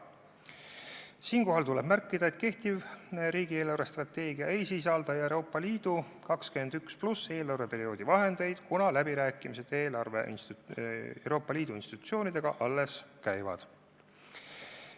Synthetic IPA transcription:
siːnko̞ɦɑlt̪ule̞b̥mærkːˑid̪̥ɑet̪̚ke̞ht̪ivɾiːɡ̥ie̞ːlɑwɾest̪rɑt̪ːe̞ːɡiɑejsis̬ɑld̪ɑjɑeɾo̞ːpːˑɑliːd̪̥u | kɑkskymend̪yksplusːe̞ːlɑwɾvepe̞ɾio̞ːd̪̥ivɑɦe̞nd̪̥e̞jd̪̥kunɑlæbiɾæːkːˑimise̞d̪̥e̞ːlɑrve̞̰ʔḭns | ḛwɾo̞ːpːˑɑliːd̪̥uinst̪it̪ːu̥t̪sio̞ːnid̪e̞ɡ̥ɑʔɑlːe̞skæjvɑ̰d̪̥

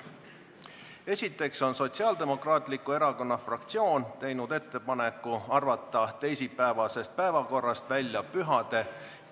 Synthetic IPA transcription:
e̞sʲit̪ːˑe̞kso̞nso̞t̪ʲsiɑːld̪̥e̞mo̞krɑːt̪ˑlikːue̞ɾɑko̞nːɑfrɑkt̪sio̞ːnt̪e̞jnud̪̥e̞t̪ːe̞pɑne̞kːˑuɑrvɑt̪ːˑɑt̪e̞jsipːæevɑse̞st̪̚pæevɑko̞rːɑst̪vælʲjɑpyɦɑd̪̥e̞

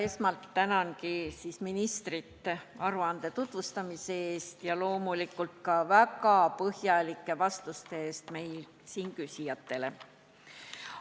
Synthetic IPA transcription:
e̞smɑlt̪ːænɑnkisiːsminist̪rit̪ːeɑɾuɑnd̪̥e̞t̪ut̪vust̪ɑmise̞eːst̪jɑlo̞ːmulikːˑult̪kɑvækɑpɤhjɑlikːˑe̞vɑst̪ust̪eeːst̪me̞jl | siːnkysijɑt̪ːˑe̞le̞

